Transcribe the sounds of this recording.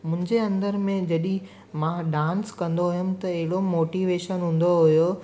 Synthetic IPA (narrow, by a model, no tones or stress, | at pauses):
mʊ̃ɪ̃ɲd͡ʑeɐ̃nd̪əɾmẽd͡ʑɐɗĩ | mãɖãːnskɐ̃nd̪oɦʊjʊmt̪ɐɐɦɪɽomoːʈiʋeːʃənɦũːn̆d̪oɦʊjo